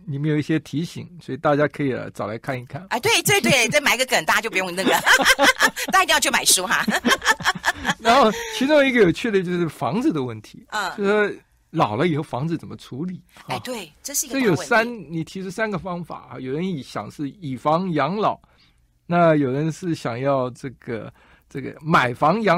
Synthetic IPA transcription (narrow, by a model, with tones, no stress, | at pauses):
ni˨˩me˧˥jo˨ʊi˥˩ɕjɛ˥t̪ʰi˧˥ɕḭ˨˩˦ŋswɔ˧˥i˨˩t̪a˥˩t͡ɕja˥kʰɤ˧˥i˨˩lə̰˧˦t͡sɑ˨˩ʊla˧˥ɪkʰa˥˩ni˥˩kʰa˥˩na˧t̪we˥˩ɪt̪ɤ˥˩t̪we˥˩ɪə˥˩ma˨˩ɪ˧˥ɡə˧kə˨˩nt̪a˥˧t͡ɕo˥˩ʊp̬jʊ˥˩˧n˧nə˥˩ɡə˩˥˧ | i˧ĩ˥˧jt͡ɕʰjo˥˩ma˨˩ɪʂu˥xa̰˧ | ɻa˧˥nxo˥˩ʊt͡ɕʰi˧˥ʈ͡ʂʊ˥ŋi˧˥ɡə˨jo˨˩ʊt͡ɕʰy˥˩d̪ə˩t͡ɕjo˥˧ʊʂɻ̩˥˩fɑ̰˧˥ŋd͡zɹ̩˨d̪ə˩wə˥˩nt̪ʰḭ˧˥˩t͡ɕo˥˩ʊʂ̩˧˩ʂwɔ˥ | lɑ˨˩ʊlə˦i˨˩xo˥˩ʊfɑ˧˥ŋt͡sd͡zɹ̩˧t͡sə˨˩nmə˦ʈ͡ʂʰu˧˥li˨˩˦t̪we˥˩ɪʈ͡ʂə˥˧ʂ̩˥˧ɡə˥˩jo˨˩sa˥nni˨˩t̪ʰi˧˥ʈ͡ʂʰu˥sa˥nɡə˨fɑ˥ŋfa̰˨˩ɐ̰˧˦jo˨˩ʊə˧˦ni˨˩ɕjɑ̰˨˩ŋʂɻ̩˥˩i˨˩fɑ˧˥ŋjɑ˧˥ŋlɑ˨˩˦ʊ | na˥˩jo˨˩ʊɻə˧˦nʂɻ̩˥˩ɕjɑ˨˩ŋjɑ˥˧ʊʈ͡ʂɤ˥˩ɡ̥ə̰˩ | ʈ͡ʂɤ˥˩ɡə̰˩ma˨˩ɪfɑ˧˥ŋjɑ˧˥